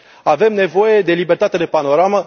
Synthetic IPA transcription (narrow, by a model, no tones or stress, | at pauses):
ave̞mne̞vo̞jed̪e̞libert̪at̪ed̪epano̞ɾamə